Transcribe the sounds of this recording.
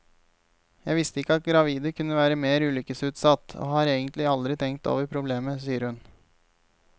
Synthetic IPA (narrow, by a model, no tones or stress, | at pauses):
jæɪʋɪst̪əɪkːəɑt̪̚ɡɾɑʋiːd̪əkʰʉnːəʋæːɾəmeːɾʉːlʏkəsʉːt̪sɑt̪ːo̰ːhɑːɾeːɡənt̪lɪɑld̪ɾɪt̪ʰɛŋkt̪o̰ːʋəɾpʰɾʊbleːməsiːəɾhʉn